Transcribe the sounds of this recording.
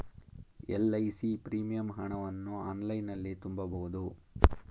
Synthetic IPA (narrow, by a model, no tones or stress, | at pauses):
elːɐjsipɾiːmijɐmɦɐɳɐʋɐnːuaːnlɐjnɐlːit̪umbɐbɐɣud̪u